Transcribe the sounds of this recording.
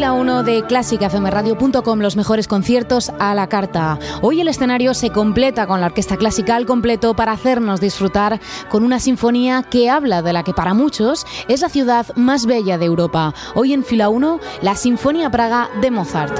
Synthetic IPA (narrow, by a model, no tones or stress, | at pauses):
launoðe̞klasikafemeraðjo̞punt̪o̞ko̞mlo̞zme̞xo̞ɾe̞sko̞nθje̞ɾt̪o̞salakaɾt̪ao̞je̞le̞sθe̞naɾjo̞se̞ko̞mple̞t̪ako̞nlaoɾke̞st̪aklasikalko̞mple̞t̪o̞paɾaːθe̞ɾno̞zðisfɾut̪aɾko̞nunasiɱfo̞niake̞aβlaðe̞lake̞paɾamut͡ʃo̞se̞zlaθjuðaðmazβe̞ʎaðewɾo̞pa | o̞je̞ɱfilauno̞lasiɱfo̞niapɾaɣ̞aðe̞moθaɾt̪